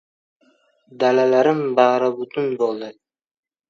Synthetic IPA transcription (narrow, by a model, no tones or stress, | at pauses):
d̪alalaɾɪmbɑɾɪbʊt̪ʰʊnbolˠd̪ɪ